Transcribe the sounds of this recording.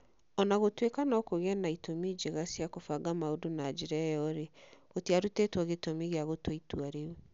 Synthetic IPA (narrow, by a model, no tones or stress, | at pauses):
ɔnaɣotwekanɔkoɣɛnaitomid͡ʒeɣasjakofaɡamaodonad͡ʒeɾɛjɔɾeɣotiaɾutetwɔɣetomiɣeaɣotwaitwaɾee